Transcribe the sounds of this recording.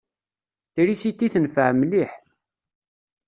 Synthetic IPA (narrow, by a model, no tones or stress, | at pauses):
θiɾisit̪ːiθənfəʕmliħ